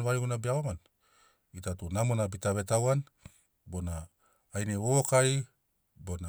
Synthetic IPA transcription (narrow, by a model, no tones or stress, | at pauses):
nβajɡunabiaoman | itatunamonabitaβe̞tawan | bo̞naː | jneookaj | bona